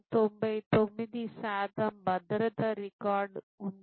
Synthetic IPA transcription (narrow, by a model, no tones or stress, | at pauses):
t̪ombɐjt̪omid̪isaːt̪ɐmbɐd̪ɾət̪ɐɾikaːɾɖ | un